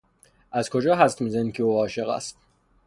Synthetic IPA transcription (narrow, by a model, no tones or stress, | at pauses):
ʔæzkʰo̞d͡ʒɒːɦæst̪mizænikʰeoːɒːʃe̞ɣæ̰st̪̚